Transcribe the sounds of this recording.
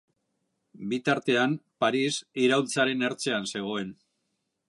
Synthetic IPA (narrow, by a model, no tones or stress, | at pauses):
bit̪aɾt̪e̞ampaɾisiɾawlt͡saɾe̞ne̞ɾt͡se̞anse̞ɣ̞o̞e̞n